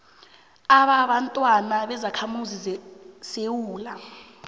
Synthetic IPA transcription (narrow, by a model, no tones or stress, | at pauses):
aɓaɓantʼwanaɓɛzakʰamuzisewuːla